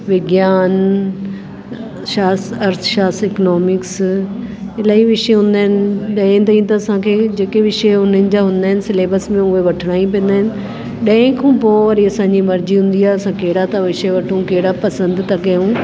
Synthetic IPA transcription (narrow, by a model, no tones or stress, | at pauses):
ʋɪɡjaːn | ʃaːsɐɾt̪ʰʃaːsɪknɔːmɪks | ɪlaːiʋɪʃeɦʊ̃n̆d̪aːɦɪnɪ̆ɗɐ̃ɪ̃t̪̬aːĩt̪ɐɐsãkʰeːd͡ʑeːkeʋɪʃeʊn̤ənɪ̆d͡ʑaːɦʊ̃nd̪aːɦɪnɪ̆sɪleːbəsmẽʊɦeʋɐʈʰəɽ̃aːĩp̬ĩə̃nd̪aːɦɪnɪ̆ | ɗɐ̃ɪ̃kʰũːpoːɾiɐsãːɲd͡ʑimɐɾd͡ʑiɦʊ̃nd̪iaːɦeɐsãkɐɦɪɽat̪ɐʋɪʃəʋɐʈʰũkɐɦɪɽapɐsə̃nd̪t̪ɐkɐjũ